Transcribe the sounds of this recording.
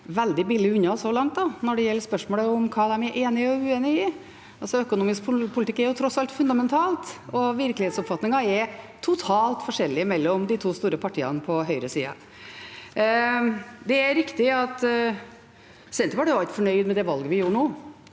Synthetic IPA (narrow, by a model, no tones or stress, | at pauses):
ʋɛld̪ɪbɪlːɪʉnːɑɔsɔlɑŋt̪d̪ɑnɔɖɛjɛlːspœʂmoːləʊmkʰɑːd̪ɛmɛɾʔeːnɪəɔʉːeːnɪɪ | ɑlsɔœkʊnuːmɪskpʊpʰʊlɪt̪ɪkːɛɾjʊt̪ʰɾɔsɑlt̪fʉnd̪ɑmɛnt̪ʰɑːlt̪ɔʋɪɾklɪheːt̪sʊpfɑt̪nɪŋɑɛɾt̪ʰʊt̪ʰɑːlt̪fɔʂɛlːɪmɛlːɔmd̪ɪt̪ʰuːst̪uːɾəpʰɑʈʰiːɑ̰nəpʰɔɦœʏɾəsḭːɑ̰ | d̪ɛɛɾɪkt̪ɪɑt̪ | sɛnt̪əʋɑɖɛʊɑlt̪fɔɳœʏd̪mɛd̪ɛʋɑlɡəʋɪjuːɾɳoː